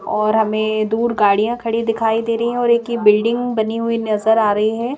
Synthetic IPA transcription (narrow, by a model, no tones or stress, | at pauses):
ɔːɾɦɐmẽd̪uːɾɡaːɽijãkʰɐɽid̪ɪkʰaːid̪eːɾɐɦĩɦɛ̃ɔːɾeːkibɪlɖɪ̃ŋɡbɐniɦʊinɐzəɾaːɾɐɦiɦɛː